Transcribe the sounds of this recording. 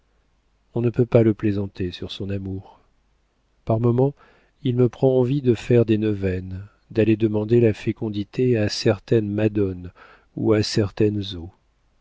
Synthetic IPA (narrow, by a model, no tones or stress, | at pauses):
ɔ̃nəpøpaləplezɑ̃t̪esyʁsɔ̃namuʁ | paʁmɔmɑ̃ | ilməpχɑ̃ɑ̃vid̪əfɛʁd̪enəvɛn | d̪aled̪əmɑ̃d̪elafekɔ̃d̪it̪ʰeasɛʁt̪ɛnmad̪ɔn | ṵasɛʁt̪ɛnzo